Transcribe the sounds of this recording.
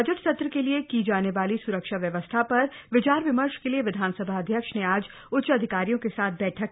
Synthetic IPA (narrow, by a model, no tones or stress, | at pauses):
ɐd͡ʒəʈsɐt̪ɾəkeliekid͡ʒaːneʋaːlisʊɾəkʃaʋjɐʋəst̪ʰapɐɾʋɪt͡ʃaːɾʋɪməɾʃkelieʋɪd̪ʱaːnsəbʱaɐd̪ʱjəkʃneaːd͡ʒ | ʊtːʃɐd̪ʱɪkaːɾijõkesaːt̪̚ʰbɛːʈʰək